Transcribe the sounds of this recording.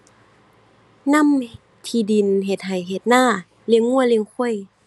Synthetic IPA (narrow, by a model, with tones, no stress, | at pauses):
na˧˥˨m | t̪ʰiː˧˩di˨˩˨nɦe˨˩t̪̚ɦa˨˩jɦe˨˩t̪̚naː˧˥˨ | li˧əŋːu˧˥˨əli˧əŋkʰu˧˥˩ə˨j